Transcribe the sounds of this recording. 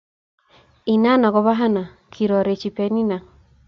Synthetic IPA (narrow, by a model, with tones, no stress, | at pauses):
i˨na˦na˨ɣɔ˨βa˦ɦa˦na˨ | kʰi˨ɾɔ˨ɾe˨t͡ʃi˨pɛ˨˦ni˦na˨